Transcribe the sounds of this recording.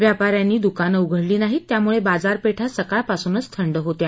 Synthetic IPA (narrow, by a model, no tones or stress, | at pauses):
ʋjapaɾjanːiːd̪ukanəuɡʱəɽliːnaɦiːt̪ːjamuɭebad͡zaɾpeʈʰasəkaɭpasuːnət͡st̪ʰəɳɖəɦot̪e